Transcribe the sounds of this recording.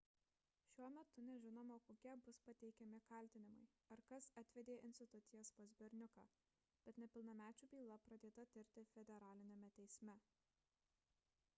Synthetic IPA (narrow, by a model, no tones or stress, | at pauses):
ʃʲuɔmʲɛt̪ʊnʲɛʒʲɪnoːmokoːkʲɛbʊspɐt̪ʲɛɪkʲɛmʲɪkɐlʲt̪ʲɪnʲɪmɐɪ | ɐɾkɐsɑt̪ʲʋʲɛd̪ʲeːʔɪnʲsʲt̪ʲɪt̪ʊt̪sʲɪjɛspoːzʲbʲɛɾʲnʲʊkɑ̰ː | b̥ʲɛt̪nʲɛpʲɪlˠnɐmʲæːt͡ʃʲuːbʲiːlˠɐpɾɐd̪ʲeːt̪ɐt̪ʲɪɾʲt̪ʲɪfʲɛd̪ʲɛɾɑːlʲɪnʲɛmʲɛt̪ʲɛɪsʲmʲɛ